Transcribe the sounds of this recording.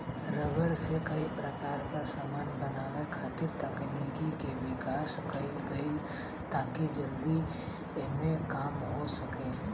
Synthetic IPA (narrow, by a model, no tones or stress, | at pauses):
ɾəʋəɾsekɐipɾɐkaːɾkasaːmaːnbɐnaːʋekʰaːt̪ɪɾt̪ɐknikikeʋɪkaːʃkɐiɡɐi | t̪aːkid͡ʒɐld̪i | mẽkaːmɦosɐkeː